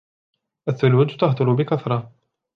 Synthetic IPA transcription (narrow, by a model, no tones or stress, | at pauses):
ʔaθːʊlud͡ʒt̪ɑht̪ˤʊlʊbɪkaθɾˤɑ